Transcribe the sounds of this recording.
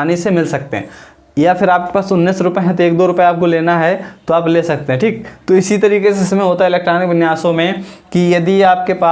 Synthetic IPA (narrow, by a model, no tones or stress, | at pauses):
aːnisemɪlsɐk̚t̪eɦɛ̰̃ː | jafɪɾaːp̚ke̥paːsʊnːiːsɾʊpeɦɛ̃t̪oeːk̚d̪oːɾʊpeaːp̚koleːnaɦɛt̪oaːpleːsɐk̚t̪ẽɦɛ̃ʈʰiːk̚t̪oɪsit̪ɐɾiːkeseɪsmẽɦoːt̪aɦɛɪlɛːk̚ʈɾaːnɪkʋɪnjaːsõmẽkijɐd̪iaːp̚kepaː